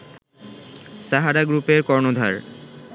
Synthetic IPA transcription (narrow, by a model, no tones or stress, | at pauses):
ʃaɦaɾaɡɾupeɾkɔɾnod̪ʱa̰ɾ